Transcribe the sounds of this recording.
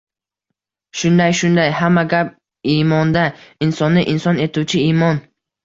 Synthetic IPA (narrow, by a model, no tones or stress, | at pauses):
ʃʊnd̪ajʃʊnd̪ajhamːaɡʲap̚ | imɒnd̪aɪnsɒnːɪʔɪnsɒne̞t̪ʰuwt͡ʃʰɪimɒn